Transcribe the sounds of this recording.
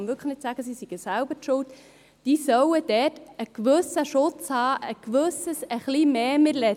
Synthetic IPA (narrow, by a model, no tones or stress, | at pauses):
nʋʏɾkʰχəχnɪt̪sæɡ̥əsisiɡ̥əsaʊb̥əɾtʃʊlt | d̥iːsœwəd̥̪ɛtəkʋʏsəʃʊt͡shɑːʔəkʋɵsəsəχlimeːmɪɾlɛ